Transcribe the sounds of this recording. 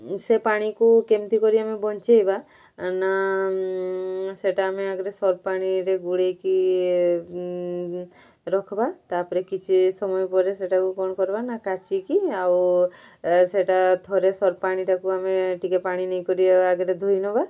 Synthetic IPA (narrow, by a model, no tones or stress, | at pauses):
sepaɽ̃ikukemt̪ikɔɾiamebɔnt͡ʃejba | na | seʈaːmeaɡɔɾesɔɾpaɽ̃iɾeɡuɽejki | ɾɔkʰɔbat̪apɔɾekit͡ʃʰisɔmɔjɔpɔɾeseʈakukɔñɔkɔɾbanakat͡ʃikiaw | seʈat̪ʰɔɾesɔɾpaɽ̃iʈakuameʈikepaɽ̃inejkɔɾiaɡɔɾed̪ʱojnɔba